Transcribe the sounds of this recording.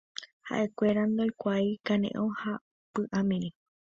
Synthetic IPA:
ha̰ʔe̞kʷe̞ɾand̪ojkʷajkãnḛ̃ʔõha | pɨʔãmĩɾi

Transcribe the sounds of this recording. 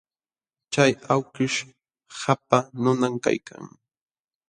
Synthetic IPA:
t͡ʃajawkɪʃ | hapanʊnamka̰jkʰa̰ŋ

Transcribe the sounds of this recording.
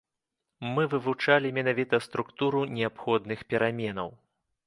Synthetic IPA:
mɨvɨvut͡ʂalʲimʲɛnavʲit̪ɐst̪ɾukt̪uɾunʲɛapxɔd̪nɨxpʲɛɾamʲɛnɐw

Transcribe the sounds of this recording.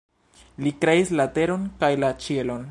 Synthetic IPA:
likɾe̞islate̞ɾo̞nkajlat͡ʃie̞lo̞n

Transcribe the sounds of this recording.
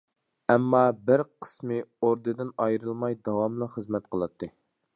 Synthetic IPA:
ɛmːɑbɪɾqʰə̥smɨoɾd̪ɨd̪ɨnɑjɾɨlˠmɑjd̪ɑwɑmlˠɑχəzmɛt̪̚qʰəlˠɑt̪ʰːɨ

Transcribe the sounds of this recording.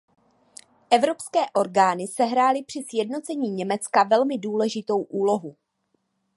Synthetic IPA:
ʔɛvɾo̞pskɛːʔo̞ɾɡaːnɪsɛɦɾaːlɪpr̝̥ɪsjɛdno̞t͡sɛɲiːɲɛmɛt͡skavɛlmɪduːlɛʒɪt̪o̞wʔuːlo̞ɦu

